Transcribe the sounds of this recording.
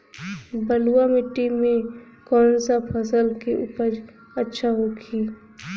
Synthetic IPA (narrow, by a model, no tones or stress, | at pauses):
bəluwamɪʈːimẽ | kɔːnsapʰəsəlkeʔṵpəɾ | ətːʃʰaɦokʰiː